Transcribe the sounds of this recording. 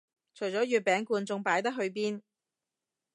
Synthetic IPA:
t͡ʃʰɵ˨˩ɥt͡sɔː˨˥jyː˨˩t̚pːɛː˨˥ŋkuː˧nt͡sʊ˧ŋpaː˨˥jt̪ɐ˥k̚ɦɵ˧ɥp̬iː˥n

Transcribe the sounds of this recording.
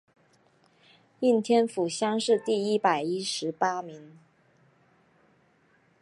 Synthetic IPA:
i˥˩nt̪ʰjɛ˥nfu˨˩ɕjɑ˥ŋʂɻ̩˥˧t̪i˥˩i˥pa˨˩ɪi˥ʂɻ̩˧˥pa˥mi˧˥ŋ

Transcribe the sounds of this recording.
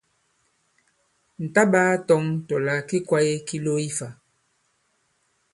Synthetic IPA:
n̩˨ta˦ɓaː˦tɔ˦ŋtɔ˨la˨˦ki˦kwa˦je˦ki˦lo˦i˦fa˨

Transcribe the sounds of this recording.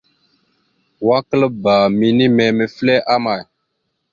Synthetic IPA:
wa˦kə˦lə˦ba˨mi˨ni˦mɛ˨me˨flɛ˦ʔa˦ma˨j

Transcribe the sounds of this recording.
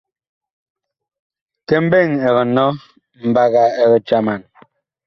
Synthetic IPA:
kɛ˦˨m̩˦be˦˨ŋɛ˨ɣɔ˨nɔ˦ | m̩˨ba˦ɣa˨ɛ˨ɣɛ˨t͡ʃa˦ma˨n

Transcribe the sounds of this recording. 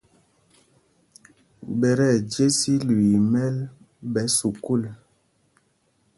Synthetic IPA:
bɛ˨ɾɛ˦˨d͡ʒje˦si˦li˨mɛ˦l | bɛ˨˦su˨ku˦˨l

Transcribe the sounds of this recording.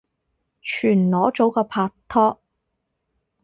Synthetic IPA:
t͡ʃʰyː˨˩nlɔː˨˥t͡so˨˥wkɔː˧pʰaː˧t̪ʰɔː˥k̚

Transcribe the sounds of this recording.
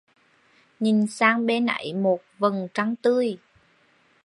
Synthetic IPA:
ɲi˨˩nsaː˧ŋɓe˧na̰˧˥˦jmo˨˩t̚və˨˩ŋt͡ɕa˧ŋt̪ɨ˧əj

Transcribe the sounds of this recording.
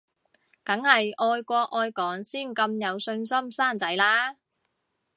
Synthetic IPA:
kɐ˨˥ŋhɐ˨jʔɔː˧jkʷɔː˧k̚ʔɔː˧jkɔː˨˥ŋsiː˥˩nkɐ˧mjɐ˨˧wsɵ˧nsɐ˥msaː˥nt͡sɐ˨˥jlaː˥

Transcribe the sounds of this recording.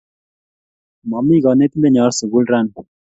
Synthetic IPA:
mɔ˨mi˦ɡɔ˨ne˦t̪i˦nd̪e˦ɲɔ˨˦ɾsu˨ɡu˦lɾa˦˨n

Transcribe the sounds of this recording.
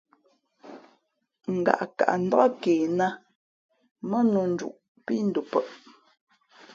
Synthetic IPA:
ŋ̩˨ɡa̰˨ʔka̰˨ʔn̩˦˨da˦keː˨na˦ | mə˦nu˨n̩˦d͡ʒṵ˨ʔ | pi˦n̩˦du˨pə˦˨ʔ

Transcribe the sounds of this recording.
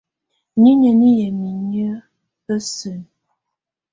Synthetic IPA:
ni˦ɲə˨ni˦jə˨mi˨ɲə˦ | ə˦sɨ˨n

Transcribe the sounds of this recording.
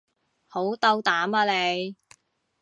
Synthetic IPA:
ho˨˥wt̪ɐ˧wt̪aː˨˥maː˧le˨˧j

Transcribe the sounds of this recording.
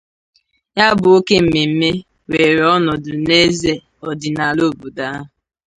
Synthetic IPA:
ja˦bʊ˨o˦ke˦m̩˨me˨m̩˦me˦ | we˨ɾɔ˦nʊ˨dʊ˨ne˦ze˨ | ɔ˨dɪ˨na˨lo˦˨bu˨da˦˨

